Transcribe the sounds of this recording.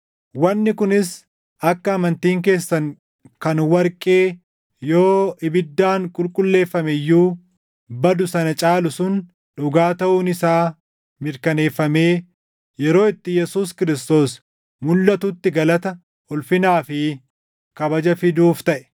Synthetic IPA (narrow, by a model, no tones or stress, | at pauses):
wɐnːɪkʊnɪs | ʔɐkːɐːmɐnt̪iːŋk̬e̞ːsːɐŋ | kɐnwɐɾkʼeː | jo̞ːɪbɪd̪ːaːŋkʼʊlkʼʊlːe̞ːfːɐmɛjːuː | bɐd̪ʊsɐnɐt͡ʃʼaːlʊsʊn | ᶑʊɡaːt̪ɐʔuːnɪsaː | mɪɾkɐne̞ːfːɐme̞ː | jɛɾo̞ːɪt̪ːɪjɛsuːskɪɾɪst̪o̞ːs | mʊlːɐt̪ʊt̪ːɪɡɐlɐt̪ɐ | ʊlfɪnaːfɪ | kɐbɐd͡ʒɐfɪd̪uːft̪ɐʔɛ̥